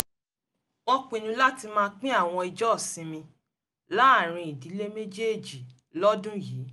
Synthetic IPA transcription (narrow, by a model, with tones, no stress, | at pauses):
ɔ˧k͡pĩ˨nũ˧la˦ti˧mãː˦˧˦k͡pĩ˦a˦˨w̃ɔ̃˧i˧d͡ʒɔ˦ɔ˦˨sĩ˨˦mĩ˧ | la˦˨ɾ̃ĩ˧i˨di˨˦le˦me˦d͡ʒe˦˨d͡ʒi˨ | lɔ˦dũ˦jiː˨˦